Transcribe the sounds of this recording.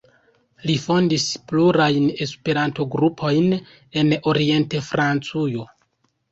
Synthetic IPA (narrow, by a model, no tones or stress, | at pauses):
lifo̞ndispluɾajne̞spe̞ɾanto̞ɡɾupʰo̞jn | e̞no̞ɾie̞nte̞fɾant͡sujo̞